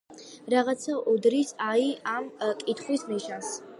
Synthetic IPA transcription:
ɾaʁat̪sʰaʔɔd̪ɾisaiamkʼit̪ʰχwisniʃãns

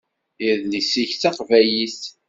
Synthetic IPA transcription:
ɪðlisiçθɑqvæjiθ

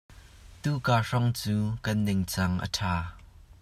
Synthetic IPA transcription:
t̪uːkaːʂɔŋt͡suːkɐnːɪŋt͡sɐŋʔə̰tʰaː

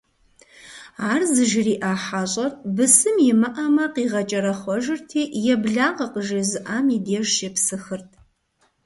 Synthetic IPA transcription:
aːrzɨʒɪriːʔaːħaːɕʼɐrbɨsɨmjɪmɨʔamɐqiːʁɐt͡ʃʼɐɾɐχʷɔʒɪrtʰiːjɛbɮaːʁɐqəʒizɨʔaːmiːdeːʒʃɛpsɨxɨrtʰ

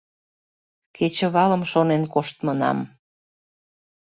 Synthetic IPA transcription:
ket͡ɕə̆βɑlə̆mʃonenkoʃt̪mənɑ̰m

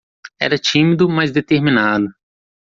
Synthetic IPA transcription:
ɛ̰ɾɐt͡ʃĩmid̪ʊmɐzd̪et̪eɾminad̪ʊ

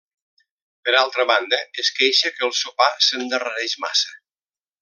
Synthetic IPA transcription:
pəɾalˠt̪ɾəβand̪əəskejʃəkəlˠsupasənd̪ərəɾɛʃma̰sə

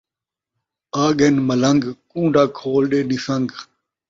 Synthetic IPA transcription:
aːɠenmələŋɡkũːɳɖʱaːkʰoːlɗeːɗɪsəŋɡ

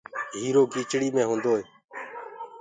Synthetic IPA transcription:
ɦiːɾoːɡʱiːt͡ʃɽiːmẽːɦũːnd̪oːɦeː

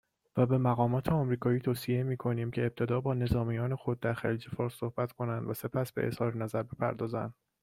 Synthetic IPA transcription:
væbe̞mæɣɒːmɒːt̪ʰeɒmɾiːkʰɒːiːt̪ʰoːsiemiːkʰo̞niːmcʰe̞ːb̚t̪ʰe̞d̪ɒːbɒːne̞zɒːmijɒːne̞xo̞d̪̚ːæɾxæliːd͡ʒefɒːɾsːohb̥æt̪ʰkʰo̞nænd̪væse̞pʰæsbeʔḛshɒːɾenæzæɾbe̞pʰæ̰ɾd̪ɒːzæ̰nd̪̥

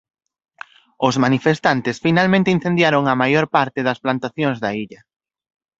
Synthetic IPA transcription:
ʊzmanifest̪ant̪ɪsfinalmẽnt̪ein̟θẽnd̪jaɾoŋɐmajoɾpaɾt̪ɪðɐsplant̪aθjoŋzðɐiʎɐ

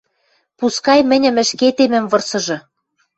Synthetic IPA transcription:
puskɑjmɘ̆nʲɘ̆mɘ̆ʃket̪emɘ̆mvɤ̆rsɤ̆ʒɤ̆

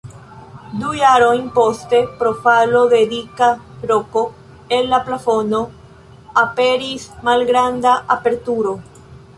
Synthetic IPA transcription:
dujaɾo̞jnpo̞ste̞pɾo̞falo̞de̞dika | ɾo̞ko̞ | e̞nːaplafo̞no̞ | ape̞ɾismalɡɾandaʔape̞ɾtuɾo̞

